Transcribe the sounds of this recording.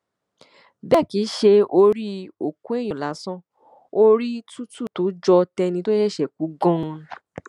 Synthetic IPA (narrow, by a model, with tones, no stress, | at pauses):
bɛ˦˨ki˨˦ʃe˧o˧ɾi˦o˨ku˦e˦˨j̃ɔ̃˨la˨˦sɔ̃˦ | o˦ɾi˦tu˦tu˦˨to˨˦d͡ʒɔ˧tɛ˧nĩ˧to˦ɛ˦˨ʃɛ˨k̚u˨˦ɡɔ̃˦˧˦